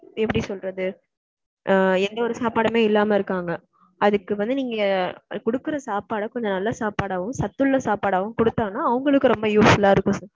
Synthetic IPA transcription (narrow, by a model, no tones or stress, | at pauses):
ɛpːɐɽisɔlɾɐðɯ | ɛnd̪ɐɔɾɯsaːpaːɽɐmeːɪlːaːmɐɪɾɯkːaːŋɡɐ | ɐðɯkːɯʋɐnd̪ɯniːŋɡɐkɔɽɯkːɯɾɐsaːpaːɽɐkɔɲd͡ʒɐnɐlːɐsaːpaːɽaːʋɯ̃msɐt̪ːɯɭːɐsaːpaːɽaːʋɯ̃mkɔɽɯt̪ːaːŋɐnːaːɐʋɐŋɡɐɭɯkːɯɾɔmbɐjuːsfɐlaːɪɾɯkːʊ̃s